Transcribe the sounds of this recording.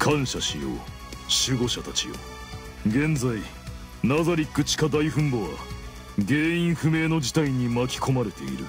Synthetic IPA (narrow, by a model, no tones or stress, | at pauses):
kʰãɰ̃ɕaɕḭjo̰ | ɕɨɡo̞ɕat̪at͡ɕḭjo̰ | ɡẽ̞nd͡zai | nazaɾʲikːɯ̟t͡ɕi̥kad̪aiɸɯ̟̃mboβa̰ | ɡe̞ːĩɰ̃ɸɯ̟me̞ːno̞d͡ʑit̪aiɲ̟imakʲi̥ko̞maɾe̞t̪e̞̰ḭɾɯ̟̰